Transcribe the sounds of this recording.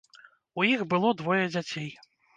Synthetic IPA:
ujixbɨlˠɔd̪vɔjɐd͡zʲat͡sʲej

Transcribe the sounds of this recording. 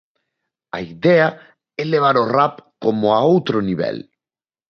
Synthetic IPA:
a̰iðɛa | ɛleβ̞aɾorapkomoaowt̪ɾoniβɛ̰l

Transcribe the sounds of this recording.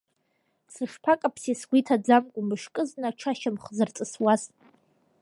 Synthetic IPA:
sɨʂpʰakʼapʰsisɡʷitʰad͡zamkʷʼʊmɨʂkʼɨznaʈ͡ʂʰaʃamχzɨrt͡sʼɨswaz

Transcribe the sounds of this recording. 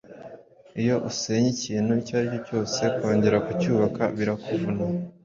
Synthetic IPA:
ijo̞ʔuse̞ːɲiciːnhuicaːɾico̞co̞ːse̞ko̞ːɲɟe̞ɾakucuːβaka̰βiɾakuvuna

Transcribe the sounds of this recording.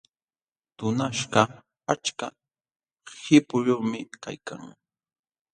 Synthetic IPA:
t̪ʊnaʃɢɑ | at͡ʃka | hɪpʊʎʊmɪka̰jka̰ŋ

